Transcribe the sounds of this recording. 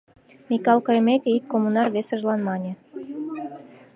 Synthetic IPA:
mʲikɑlˠkɤjmekʲeikːomunɑrβesə̆ʒlɑnmɑnʲĕ

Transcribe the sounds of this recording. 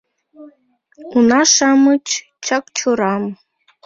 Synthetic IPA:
unɑʃɑmət͡ɕ | t͡ɕɑkt͡ɕuɾɑm

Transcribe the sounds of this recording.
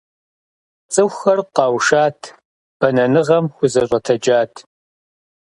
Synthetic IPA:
t͡sʼɨxʷxɐrqɑːwʃaːtʰ | b̥ɐnɐnɨʁɐmxʷʊzɐɕʷʼɐtʰɐd͡ʒaːtʰ

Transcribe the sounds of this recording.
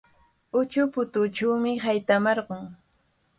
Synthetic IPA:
ʊt͡ʃʊpʊt̪ʊt͡ʃawmɪhajt̪amɑɾɢʊŋ

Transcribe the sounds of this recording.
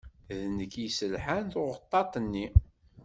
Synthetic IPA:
ðnəkisəlħant̪ʊʁət̪ˤːɑt̪ˤənːi

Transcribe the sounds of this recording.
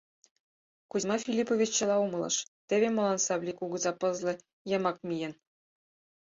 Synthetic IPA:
kumɑfʲilʲipovʲit͡ɕːɤ̆lˠɑumɤ̆lˠɤ̰̆ʃt̪ʲeβʲemolˠɑnsɑblʲikuɡɤ̆zɑpɤ̆zlʲˠɤ̆ | jɤ̆mɑk̚mʲijɘ̆n

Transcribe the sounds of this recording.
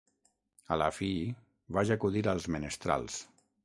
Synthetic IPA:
alafi | βaʒakuðiɾalˠzmenəst̪ɾa̰lˠs

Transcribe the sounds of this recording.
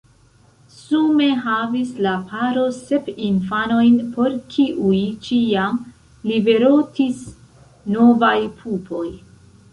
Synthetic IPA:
sume̞ɦavislapʰaɾo̞se̞pinfano̞jnpo̞ɾkʰiʔujt͡ʃiam | libe̞ɾo̞tis | no̞vajpʰupʰo̞j

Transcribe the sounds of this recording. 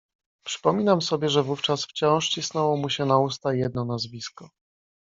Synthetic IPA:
pʂɘ̥pɔmʲinamsɔbʲjɛʐɛvuft͡ʂasft͡ɕɔ̃w̃ʂt͡ɕisnɛwɔmuɕɛnaust̪ajɛd̪̚nɔnazvʲiskɔ

